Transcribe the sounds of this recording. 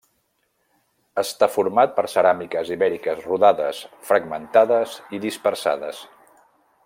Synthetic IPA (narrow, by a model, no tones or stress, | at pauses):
əst̪afuɾmat̪̚pəɾsəɾamikəziβɛɾikəzruðaðə̰sfɾəɡmənt̪aðəziðispəɾsa̰ðə̰s